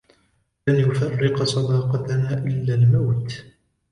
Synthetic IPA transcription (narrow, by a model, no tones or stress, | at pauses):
lanjʊfɑrːɪqsˤɑd̪ɑːqɑt̪anaːʔɪlːaːlmawt̪